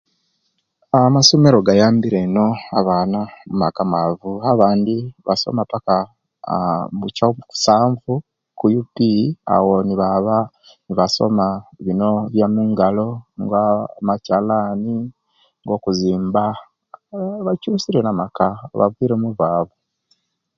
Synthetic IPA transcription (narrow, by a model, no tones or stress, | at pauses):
amasome̞ɾo̞ɡajaːmbiɾeno̞aβaːnamumakamavuaβaːndiβaso̰mapaka | mucaku̥saːɱvu | kujupia̰wo̞niβaβa | niβaso̰maβino̞βjamuŋɡalo̞ŋɡwamacalaːni | ŋɡo̞ːkuziːmba | βacuːsiɾenamakaβa̰viːɾemuvaːvu